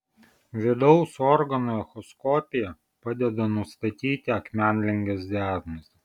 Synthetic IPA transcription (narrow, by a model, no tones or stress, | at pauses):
ʋʲɪd̪ɒʊsɔɾɡɐnuɛxɔskɔpʲɪjɛ | pɑd̪ʲɛd̪ɐnʊst̪ɐt̪ʲiːt̪ʲɪɐkmʲæˑnʲlʲɛŋʲɡʲɛsd̪ʲæːɾmɐs